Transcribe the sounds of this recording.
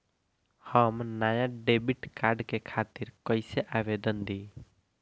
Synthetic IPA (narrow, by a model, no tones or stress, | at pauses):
həmnajãɖebiʈkaɾɖkekʰat̪iɾkəɪseʔabed̪ənd̪i